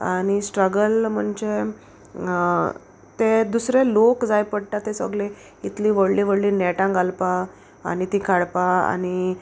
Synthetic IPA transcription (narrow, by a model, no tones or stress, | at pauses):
añisʈɾəɡəlm̤əɳd͡ʑe | t̪ed̪usɾelokd͡zajpəɽʈat̪esə̰ɡle | it̪liːʋəɽliːʋəɽliːnɛʈãŋɡalpa̰ː | nit̪ĩkʰaɽpaa̰ni